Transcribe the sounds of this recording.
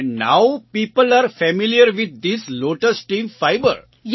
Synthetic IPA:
na̰ʊpiːpəlaːɾfɛmiliəɾʋɪd̪̚ːisloːʈəsʈʈĩːmfaɪbə̰ɾ | j

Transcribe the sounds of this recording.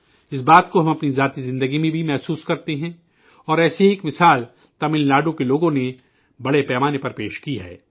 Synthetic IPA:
ɪsbaːt̪koɦɐ̃mɐpnizaːt̪izɪ̃nd̪əɡimẽbʱimɛɦsuːskɐɾt̪eɦɛ̃ | ɔːɾɛːseeːkmɪsaːl | t̪ɐmɪlːaːɖõkeloːɡõne | bɐɽepɛːmaːnepɐɾpeːʃkiɦɛ̰ː

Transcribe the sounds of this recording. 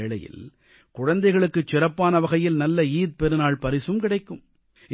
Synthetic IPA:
eːɭɐ̰jɪ̰l | kʊɻɐnd̪ɐɪɣɐɭɯkːɯt͡ʃːɪɾɐpːaːnɐʋɐɣɐjɪlnɐlːɐiːð̚pɛɾɯnaːɭpɐɾɪsɯmkɪɽɐɪkːɯm

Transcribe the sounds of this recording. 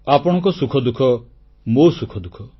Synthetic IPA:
apɔɽ̃ɔ̃kɔsukʰɔd̪ukʰɔ | mosukʰɔd̪ukʰɔ

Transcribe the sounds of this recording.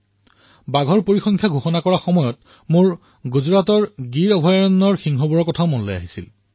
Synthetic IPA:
baɡʱɔɹpoɹixɔŋkʰjaɡʱuxɔnakɔɹaxɔmɔjɔt | mʊɹ | ɡuzuɹatɔɹɡiɹɔbʱɔjaɹɔnːɔɹxiŋxɔbuɹɔkɔtʰaʊmɔnlɔja̰ɦisḭl

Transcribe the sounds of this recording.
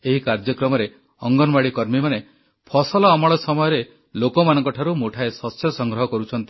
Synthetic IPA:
eɦikaɾd͡ʒɔkɾɔmɔɾe | ɔŋɡɔnbaɽikɔɾmimane | pʰɔsɔlɔːmɔɭɔsɔmɔjɔɾe | lokɔmanɔŋkɔʈʰaɾumoʈʰaesɔsjɔsɔŋɡɾɔɦɔkɔɾut͡ʃʰɔnt̪i

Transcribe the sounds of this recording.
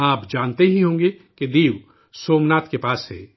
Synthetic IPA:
aːpd͡ʒaːnt̪eɦiɦõːŋɡeked̪iːw | soːmnaːt̪kepaːsɦɛ̰ː

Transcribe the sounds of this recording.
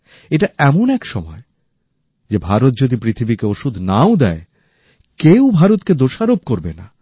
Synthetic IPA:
eʈaɛmonɛkʃɔmɔe | d͡ʑebʱaɾot̪̚d͡ʑod̪ipɾit̪ʰibikeoʃud̪ʱnaod̪ɛe | kewbʱaɾot̪ked̪oʃaɾob̚koɾbena̰

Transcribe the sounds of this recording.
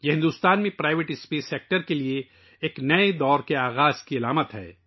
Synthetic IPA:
jeɦɪ̃nd̪uːst̪aːnmẽpɾaːɪʋeʈɪspeːseːk̚ʈəɾkelieː | knɐed̪ɔːɾkeaːɣaːz̥kiɐlaːmət̪ɦɛ̰ː

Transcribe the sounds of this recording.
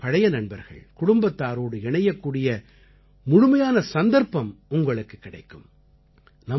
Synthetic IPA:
pɐɻɐjɐnɐɳbɐɾɣɐ̰ɭkʊɽʊmbɐt̪ːaːɾoːɽɯɛɳɐjɐkːuːɽɪjɐ | mʊɻʊmɐjaːnɐsɐnd̪ɐɾpɐmʊŋɡɐɭɯkːɯkːɪɽɐ̰ɪkːɯm | nɐ

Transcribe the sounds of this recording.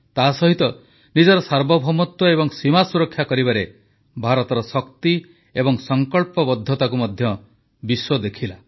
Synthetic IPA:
t̪asɔɦit̪ɔ | nid͡ʒɔɾɔsaɾbɔbʱɔmɔt̪wɔeβɔŋsimasuɾɔkʰːjakɔɾibaɾe | bʱaɾɔt̪ɔɾɔsɔkt̪i | ebɔŋsɔŋkɔɭpɔbɔd̪ʱːɔt̪akumɔd̪ʱjɔ | biswɔd̪ekʰila

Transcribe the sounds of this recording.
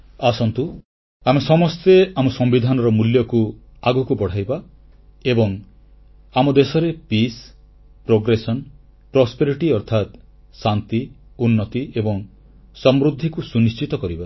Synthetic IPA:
asɔnt̪u | amesɔmɔst̪eamɔsɔmbid̪ʱanɔɾɔmuljɔku | aɡɔkupɔɽ̤ajba | ebɔŋ | amɔd̪esɔɾepis | pɾoɡɾesɔn | pɾɔspeɾiʈiɔɾt̪ʰat̪ | sant̪iunːɔt̪iebɔŋ | sɔmɾud̪ʱːikusunist͡ʃit̪ɔkɔɾiba

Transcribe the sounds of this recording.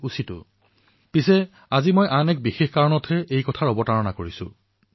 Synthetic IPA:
usitʊ̰ | pisɛ | azimojʔanɛk̚bixexkaɹɔnɔtʰɛʔejkɔtʰaɹɔbɔtaɹɔnakoɹisʊ̰̃

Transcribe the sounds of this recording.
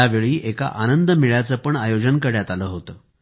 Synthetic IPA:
aʋeɭiːʔeka̰ʔanənd̪əmiɭjat͡səːpəɳajod͡ʑənkəɽjat̪aləːɦot̪əː

